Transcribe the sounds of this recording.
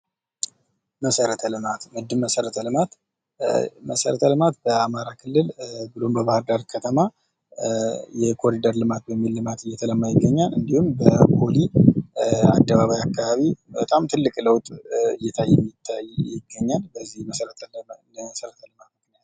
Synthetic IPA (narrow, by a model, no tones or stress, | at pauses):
məsəɾət̪ʰəlɨmat̪mɨd̪ːɨmːəsəɾət̪ʰəlɨmat̪ | məsəɾət̪ʰəlɨmat̪bəamaɾakʰɨlːɨlbɨlo̞mbəβahɨɾd̪aɾkʰət̪ʰəma | jɛkʰo̞ɾid̪əɾlɨmat̪̚bəmːilːɨmat̪ɨjɛt̪ʰələmːajɪɡːəɲːalɨnd̪ihumbəkoli | a̰d̪ːəβaβajakːaβaβibət̪ʼamt̪ʰɨlːɨkʼləwt̪ʼɨjːɛt̪ʰajːɛmɪt̪ʰːajjɪɡːəɲːalbəzːihməsəɾət̪ʰ | məsəɾət̪ʰəlɨmat̪mɨknijat̪